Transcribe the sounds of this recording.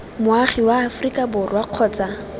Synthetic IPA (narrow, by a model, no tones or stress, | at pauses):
mʊaχiwaːfrikʼabʊrwaq͡χʰɔːt͡sa